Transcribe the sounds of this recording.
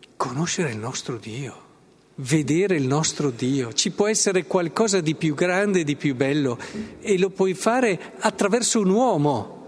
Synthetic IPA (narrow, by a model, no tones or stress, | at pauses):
kʰonoʃːeɾeilnɔst̪ɾod̪iːo | ved̪eːɾeilnɔst̪ɾod̪iːot͡ʃipwɔɛsːeɾekwalkɔːzad̪ipjuɡɾand̪eːd̪ipjubɛlːoelopwɔjfaːɾe | at̪ːɾavɛrsounwɔːmo